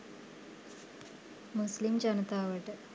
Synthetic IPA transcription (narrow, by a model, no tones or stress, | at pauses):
muslimd͡ʒɐnət̪aːʋəʈə